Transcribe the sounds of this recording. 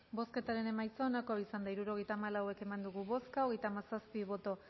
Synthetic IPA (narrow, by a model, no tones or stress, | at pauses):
bo̞ske̞t̪aɾe̞ne̞majt͡soonakoisand̪aiɾuɾo̞ɣ̞e̞jt̪aːmalawe̞ke̞mand̪uɣuβo̞skaoɣe̞jt̪aːmasaspiβ̞o̞t̪o̞